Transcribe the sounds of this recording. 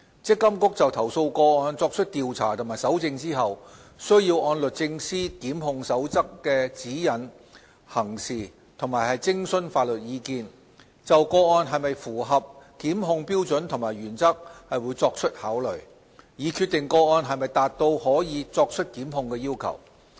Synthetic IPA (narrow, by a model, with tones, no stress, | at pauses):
t͡sɪ˥kːɐ˥mkʊ˥k̚t͡sɐ˨wt̪ʰɐ˨˩wso˧wkɔː˧ɔː˧nt͡sɔː˧k̚t͡ʃʰɵ˥t̚t̪iː˨wt͡sʰa̰ː˨˩t̪ʰʊ˨˩ŋmaː˨˩jsɐ˨˥wt͡sɪ˧ŋt͡siː˥ɦɐ˨wsɵ˥ɥjiː˧wɔː˧nlɵ˨t̚t͡sɪ˧ŋsiː˥kiː˨˥mhʊ˧ŋsɐ˨˥wt͡sɐ˥kːɛː˧t͡siː˨˥jɐ˨˩n | hɐ˨˩ŋsiː˨ | t̪ʰʊ˨˩maː˨˩jhɐ˨jt͡sɪ˥ŋsɵ˥nfaː˧t̚lɵ˨t̚jiː˨˧kiː˧n | t͡sɐ˨wkɔː˧ɔː˧nɦɐ˨jmɐ˨jfuː˨˩ɦɐ˨p̚kiː˨˥mɦʊ˧ŋpiː˥wt͡sɵ˨˥nt̪ʰʊ˨˩ŋmaː˨˩jɥyː˨˩nt͡sɐ˥k̚hɐ˨jwuː˨˧˥jt͡sɔː˧k̚t͡ʃʰɵ˥t̚haː˨˥wlɵ˨˩ɥ | jiː˨˧kʰyː˧t̚t̪ɪ˨ŋkɔː˧ɔː˧nɦɐ˨jmɐ˨jt̪aː˨t̚t̪o˧whɔː˨˥jiː˨˧t͡sɔː˧k̚t͡ʃʰɵ˥t̚kiː˨˥mɦʊ˨˧ŋkɛː˧jiː˥wkʰɐ̰˨˩w